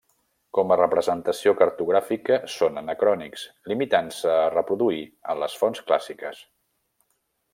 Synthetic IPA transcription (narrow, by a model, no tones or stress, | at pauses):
kɔmərəpɾəzənt̪əsiokəɾt̪uɣ̞ɾafikəsonənəkɾɔnikslimit̪ansəːrəpɾuðuiə̰nləsfɔnskla̰sikəs